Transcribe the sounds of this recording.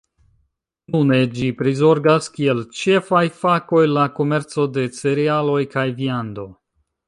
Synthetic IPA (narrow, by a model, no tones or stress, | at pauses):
nune̞d͡ʒipɾizo̞ɾɡaskie̞lt͡ʃe̞fajfako̞jlako̞me̞ɾt͡so̞de̞t͡seɾialo̞jkajviando̞